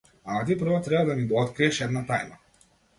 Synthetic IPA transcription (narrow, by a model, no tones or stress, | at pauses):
aat̪ipr̩vɔt̪ɾɛbad̪anid̪ɔɔt̪kɾiɛʃɛd̪nat̪ajma